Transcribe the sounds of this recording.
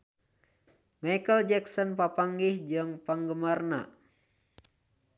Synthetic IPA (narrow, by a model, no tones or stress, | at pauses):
majkəld͡ʒɛksɔnpapaŋɡihd͡ʒəŋpaŋɡəmarna̰